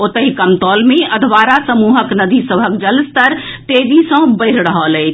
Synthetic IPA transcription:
ot̪əɦikəmt̪ɔlmeəd̪ʱʋaɾasəmuɦəknəd̪isəbʱəkd͡ʒəlst̪əɾ | t̪ed͡ʒisə̃bəɪɾɾəɦələt͡ʃʰ

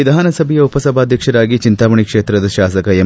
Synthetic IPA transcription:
id̪ʱaːnɐsɐbʱɛjɐupɐsɐbʱaːd̪ʱjɐkʂɐɾaːɡit͡ʃint̪aːʋɐɳikʂeːt̪ɾɐd̪ɐʃaːsɐkɐe

